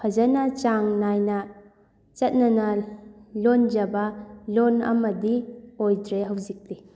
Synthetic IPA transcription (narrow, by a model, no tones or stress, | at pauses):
pʰazanat͡ʃaŋnajna | t͡ʃɐt̚nanalond͡ʒabalona̰mɐdiojdɾeɦawzik̚di